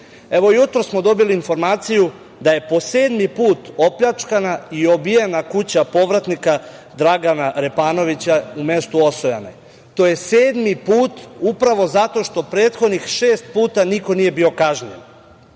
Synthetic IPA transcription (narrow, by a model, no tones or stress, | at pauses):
e̞ʋojut̪ɾosmo̞d̪o̞biliːnfo̞ɾmaːt̪siju | d̪aje̞po̞se̞ːd̪mipuːt̪o̞pʎat͡ʃkanaio̞bijenakut͡ɕapo̞ʋɾat̪nikad̪ɾaɡanaɾe̞paːno̞ʋit͡ɕaume̞st̪uo̞soja̰nḛ | t̪o̞ːje̞se̞ːd̪mipuːt̪upɾaʋo̞zat̪o̞ʃt̪o̞pɾe̞ːt̪xo̞d̪nixʃe̞ːst̪̚puːt̪aniko̞nije̞bio̞kaʒnien